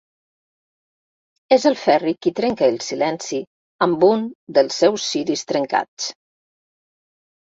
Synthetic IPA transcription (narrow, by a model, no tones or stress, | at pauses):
ezəlˠfɛrikit̪ɾɛŋkəːlˠsilɛnsi | əmbund̪əlˠsːɛwsːiɾist̪ɾəŋka̰t͡s